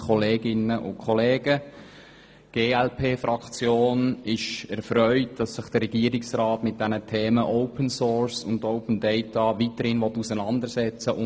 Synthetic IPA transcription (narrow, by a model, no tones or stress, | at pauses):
kɔleːɡɪnəʔʊ̰nkʰɔleːɡə | ɡ̥eːɛlpʰeːfɾɑkt͡sjoːnɪʃɛɾfɾœʏtd̥ɑsːɪχd̥əɾːɛɡiəɾɪksrɑːtmɪt̚d̥ɛnətʰeːməʔɔʊpənsoːɹsʊntɔʊpən̩dɛɪtɑʋitəɾhɪnʋɔtːusənɑndəɾsɛt͡səʔʊ